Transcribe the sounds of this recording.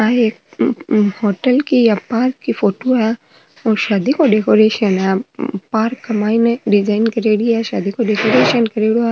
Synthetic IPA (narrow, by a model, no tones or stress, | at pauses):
aeːk̚ | hoːʈəlkijapaːɾkːifoːʈoɦɛ | oːʃaːd̪ikoɖekoɾeːʃənɦɛpaːɾkːɐmaːinẽɖɪd͡ʒaːɪnkɐɾeːɽiɛʃa̰ːd̪ikoɖekoːɾeːʃənkɐɾeːɽoɛ